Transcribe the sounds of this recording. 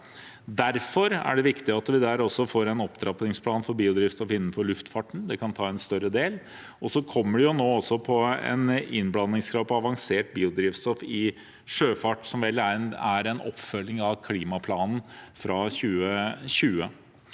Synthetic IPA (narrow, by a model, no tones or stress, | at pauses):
d̪æɾfɔɾæ̰ɖɛʋɪkt̪ɪɑt̪ʋɪd̪æɾɔsːɔfoːɾɛnɔpd̪ɾɑpnɪŋspʰlɑːnfɔɾbiːʊd̪ɾiːʋst̪ɔfɪnːən̩fɔɾɭʉft̪fɑʈɳ̩d̪ɛkʰɑnt̪ʰɑːɛnst̪œɾəd̪eːl | ʔɔsɔkʰɔmːəɖɛjʊnoːɔsːɔpʰɔɛ̰nɪnblɑnːɪŋskʰɾɑːd̪pʰɔɑʋɑŋseːʈ̚biːʊd̪ɾiːʋst̪ɔfɪ | ʂøːfɑʈsɔmʋɛlːææɾɛnɔ̰pːfœlːɪŋɑʋkʰliːmɑpʰlɑːnn̩fɾɑçʉːəɕʉːə